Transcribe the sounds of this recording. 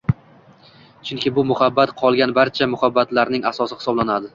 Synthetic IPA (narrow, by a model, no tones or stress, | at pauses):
t͡ʃʰʊŋkʲɪbʊmʊhabːat̪qʰɒlˠɡʲanbaɾt͡ʃʰamʊhabːat̪laɾnɪŋasɒsɪhɪ̥sɒblanad̪ɪ